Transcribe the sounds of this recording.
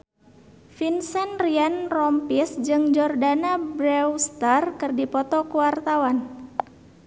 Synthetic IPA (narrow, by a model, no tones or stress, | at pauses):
finsɛnrianrɔmpisd͡ʒɨŋd͡ʒɔrdanabɾɛwst̪arkɨrdipɔt̪ɔkuwart̪awan